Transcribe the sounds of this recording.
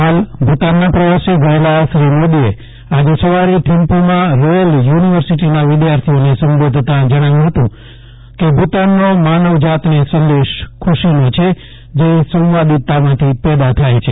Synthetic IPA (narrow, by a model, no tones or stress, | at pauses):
ɦalbʱut̪anːapɾəʋaseɡəelaʃɾimod̪ie | ad͡ʒesəʋaɾiʈ̪ʰimpumãɾɔjəljuniʋəɾsiʈinaʋɪd̪jaɾt̪ʰionesəmbod̪ʱt̪ãd͡ʒəɽ̃aʋjũɦət̪ũ | kebʱut̪anːomanəʋd͡ʒat̪nesənd̪eʃkʰuʃinot͡ʃʰe | d͡ʒesə̃wʋad̪it̪ːamãt̪ʰipɛd̪at̪ʰajt͡ʃʰe